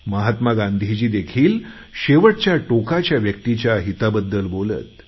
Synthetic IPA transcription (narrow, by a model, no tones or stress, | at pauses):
məɦat̪maɡãnd̪ʱid͡ʑiːd̪ekʰiːl | ɕeʋəʈ̚t͡ɕjaʈokat͡ɕjaʋjək̚t̪it͡ɕjaɦit̪abəd̪ːəlbolə̰t̪